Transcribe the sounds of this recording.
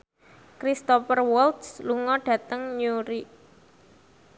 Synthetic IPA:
kɾist̪ɔpərwɔlt̪sluŋɔɖ̥ä̤t̪əŋɲuɾiʔ

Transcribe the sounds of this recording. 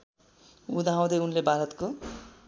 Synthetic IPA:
ud̪ʱaɦãw̃d̪ʌjunlebʱaɾʌt̪ko

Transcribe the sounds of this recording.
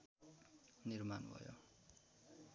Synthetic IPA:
nirmanbʱʌ̰jo̰

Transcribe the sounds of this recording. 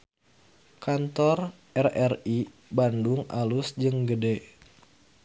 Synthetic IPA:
kant̪ɔr | ʔɛrɛri | bandʊŋʔa̰lʊsd͡ʒɨŋɡədɛ

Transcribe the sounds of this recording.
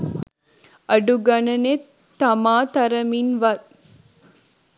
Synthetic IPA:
ʔɐɖuɡɐnɐnet̪ːɐmaːt̪ɐɾɐminʋɐt̪

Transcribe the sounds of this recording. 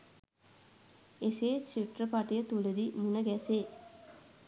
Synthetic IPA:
eseːt͡ʃiʈrəpaʈijət̪uləd̪imunəɡæseː

